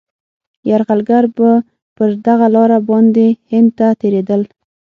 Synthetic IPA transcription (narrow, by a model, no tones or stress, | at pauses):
jaɾɣalɡaɾbə | pəɾd̪aɣalɑɾabɑnd̪ehɪnd̪̚t̪at̪eɾed̪əl